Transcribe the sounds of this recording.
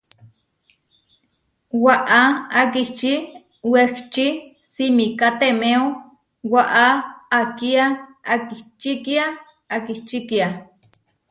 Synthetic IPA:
waʔaak̬iht͡ʃi | wekt͡ʃi | simikat̪emeo | waʔaːkiaakiht͡ʃikia | akiht͡ʃikia

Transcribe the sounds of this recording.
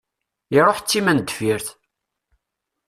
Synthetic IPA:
iɾˤoħt͡sːimænd̪əfiɾθ

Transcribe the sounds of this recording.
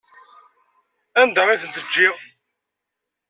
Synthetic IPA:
ænd̪æmæθənt̪əd͡ʒːɪʁ

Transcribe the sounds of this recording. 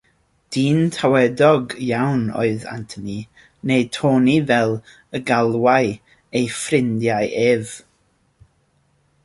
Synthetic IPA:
d̥iːntʰawɛdɔɡjawnɔ̰ɨða̰ntʰəni | nejtʰoːnivɛlˠ | əɡalˠwaj | ejfrɪndjajʔeːv

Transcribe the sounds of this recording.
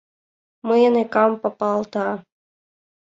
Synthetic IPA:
mɨjnekɑmpɑpɑlˠt̪ɑ

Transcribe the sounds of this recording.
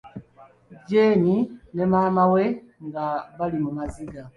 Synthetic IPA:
ɟeɲinemamaweŋɡaβalimumaziɡa

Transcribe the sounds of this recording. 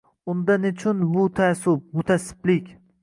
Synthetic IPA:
ʊnd̪anʊt͡ʃʰʊnbʊt̪ʰasʊp̚mʊt̪ʰasɪ̥plɪkʲ

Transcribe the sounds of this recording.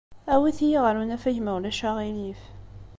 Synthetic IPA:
æwiθijiʁɾunæfæʝmæwlæʃaʁilif

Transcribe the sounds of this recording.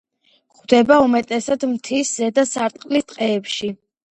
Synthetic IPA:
χd̪ɛbaumɛt̪ʼɛsad̪mt̪ʰiszɛd̪asaɾt̪ʼqʼlist̪ʼqʼɛːpʃi

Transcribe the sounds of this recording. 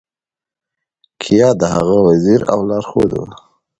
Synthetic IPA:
kʰijɑd̪əɦa̰ɣawaziɾa̰wlɑɾxod̪ṵ

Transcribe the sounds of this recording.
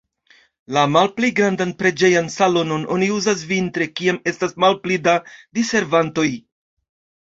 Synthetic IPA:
lamalpliɡɾandanpɾe̞d͡ʒe̞jansalo̞no̞nʔo̞̰niuzas̬vintɾe̞kiame̞stasmalplidadise̞ɾvanto̞j

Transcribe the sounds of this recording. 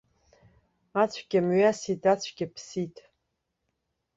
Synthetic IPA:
at͡ɕʷʰɡʲamɥasitʰʼat͡ɕʷʰɡʲɪpʰsitʼ

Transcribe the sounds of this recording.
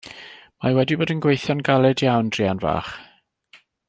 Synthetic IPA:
mawɛdiboːdənɡwejθjɔnɡalˠɛdjawnd̥rianva̰ːχ

